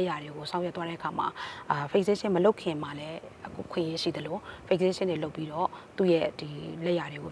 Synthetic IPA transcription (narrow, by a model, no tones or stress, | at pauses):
jadeɡosãjɛt̪waɾɛʔəkʰama̰pʰekseʃɪ̃məloʊʔkʰːɪ̃malɛəkʰṵʔəkʰwɪ̰̃ʔjeʃḭd̪əlopʰek̚seʃɪ̰̃neloʊpːiɾɔt̪ṵjɛd̥ilɛjadeɡo